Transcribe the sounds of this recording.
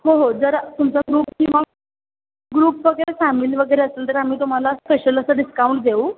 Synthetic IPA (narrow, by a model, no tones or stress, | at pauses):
hoɦod͡zəɾt̪umt͡saɡɾuːp̚kĩʋa | ɡɾuːpʋəɡəɾefamiːlʋəɡəjɾeəsənt̪əɾam̤iːt̪um̤alaspeɕələsaɖiskauɳʈ̚d̪ʱeu